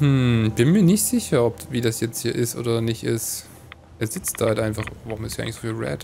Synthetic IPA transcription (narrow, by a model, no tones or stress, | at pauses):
hm̩b̥ɪnmiːɐnɪçtz̥ɪçɐɔpviːdasjɛt͡sthiːɐʔɪstʔo̰ːdɐnɪçtɪst | ʔɛːɐzɪt͡st̚d̥aːhaltʔaɪnfaχvaʁʊmɪsthjʔaɪŋlçszoːfiːlʁɛ̰t